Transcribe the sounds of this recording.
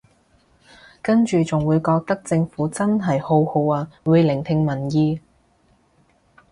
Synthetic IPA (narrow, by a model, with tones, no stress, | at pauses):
kɐ˥nt͡ʃyː˨t͡sʊ˨˩ŋwuː˨˧jkɔː˧k̚t̪ɐ˥k̚t͡sɪ˧ŋfuː˨˥t͡sɐ˥nɦɐ˨˩jho˧who˧waː˧wuː˨˧jlɪ˨˩ŋt̪ʰɪ˧ŋmɐ˨˩njiː˧